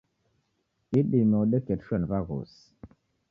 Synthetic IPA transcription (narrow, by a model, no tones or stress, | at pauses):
iɗimoɗɛkɛtʃɛnvaɣo̰s